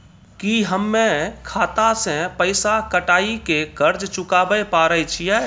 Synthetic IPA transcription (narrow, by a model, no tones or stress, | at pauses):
kiɦəmːẽkʰaːt̪ãsẽpəɪsakəʈaːikekəɾd͡ʒt͡ʃʊkaːbəepaːɾəit͡ʃʰiɛː